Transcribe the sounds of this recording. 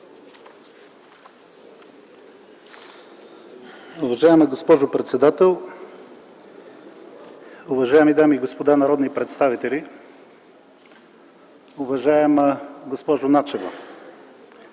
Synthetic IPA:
ʊvɐʒaɛməɡospɔʒopɾɛt̪sɛd̪at̪ɛlˠ | ʊvɐʒaɛmid̪amiːɡospod̪anɐɾɔd̪nipɾɛt̪st̪avit̪ɛlʲi | ʊvɐʒaɛməɡospɔʒʊnat͡ʃɛvo̰

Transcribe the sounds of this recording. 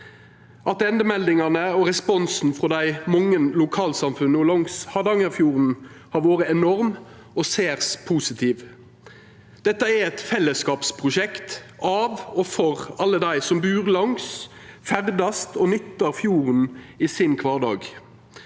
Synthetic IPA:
ʔɑt̪ɛnd̪əmɛld̪ɪŋɑnəɔɾɛspɔnsn̩fɾɔd̪æɪmɔŋːənlʊkʰɑːlsɑmfʉnːəɔlɔŋshɑd̪ɑŋəfjuːʁn | hɑʋoːɾəɛnɔʁm | ɔseːʁspʰuːsɪt̪ʰiːʋ | d̪̥ɛt̪ːəæɾɛt̪fɛlːəskɑːpspʰʁʊʃɛkt̪ʔɑʋɔfɔʁɑlːəd̪æɪsɔmbʉːʁlɑŋsfæʁd̪ɑst̪ʰɔnʏt̪ːɑɾfjuːʁniːsɪnkʰʋɑːɖɑ̰ːɡ

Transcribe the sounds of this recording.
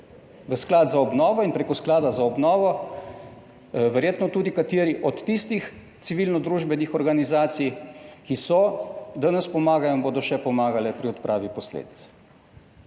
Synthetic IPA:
ʋəsklaːd̪zaɔbnɔːʋɔinpɾeːkɔsklaːd̪azaɔbnɔːʋɔ | ʋɛɾjeːt̪nɔt̪uːd̪ikat̪eːɾiʔɔt̪ːist̪ix | t̪siʋiːlnɔd̪ɾuːʒbɛnixɔɾɡanizaːt̪sijkisɔd̪anɛspɔmaːɡajɔimboːd̪ɔʃɛpɔmaːɡalɛpɾiɔt̪pɾʔa̰ːʋipɔslḛːd̪it̪s

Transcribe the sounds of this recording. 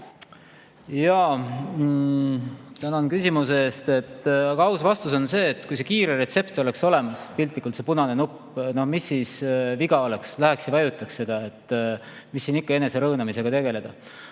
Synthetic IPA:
jɑ | t̪ænɑnkysʲimus̬eeːst̪e̞t̪ːɑɡ̥ɑɑwsvɑst̪uso̞nse̞ːt̪ːˑkujs̬e̞kiːɾe̞ɾe̞t̪se̞pt̪o̞le̞kso̞le̞mɑspilʲt̪likːˑult̪se̞punɑne̞nupː | no̞hmisːiːsviɡ̥ɑo̞le̞kslæɦeksjɑvɑjut̪ːˑɑksse̞d̪̥ɑe̞t̪ːˑ | misːiːnikːɑe̞ne̞se̞ɾɤːnɑmise̞ɡ̥ɑt̪e̞ɡ̥e̞le̞d̪̥ɑ

